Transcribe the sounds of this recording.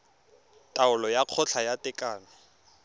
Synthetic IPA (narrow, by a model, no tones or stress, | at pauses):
tʼaʊlɔjaq͡χʰɔt͡ɬʰajatʼɪkʼaːnɔ